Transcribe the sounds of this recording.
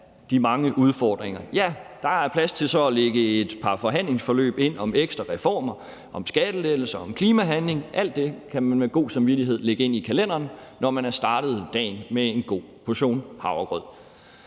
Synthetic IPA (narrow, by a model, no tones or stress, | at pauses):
d̥imɑ̈ŋəʔuð̞ˠfɒːd̥ʁeŋɐjæd̥ɑ̈æɐpʰlæst͡sʰe̝lsɒ̽æleɡ̥əe̝d̥pʰɑ̈fɒ̽ɦæn̰le̝ŋsfɒ̽lø̰ːb̥e̝n̰ɒ̽meɡ̥sd̥ʁɐʁɛfɒ̰ːmɐ | ʔɒ̽msɡ̥æd̥əle̥l̩sɐɒ̽mkʰliːmæɦænle̝ŋʔæl̰d̥ːe̝kʰæmænmeɡ̥o̝̰ːsɑ̈mʋiɾiɦe̝ð̞̰ˠleɡ̥əe̝n̰ikʰælen̰ɐnnɒmænæɐsd̥ɑ̈ːɾ̥ð̞̩ˠd̥ɛ̰ːnmee̝nɡ̥o̝̰ːpʰo̝ɕo̝̰ːnhɑ̈ʊɐɡ̥ʁœð̰ˠ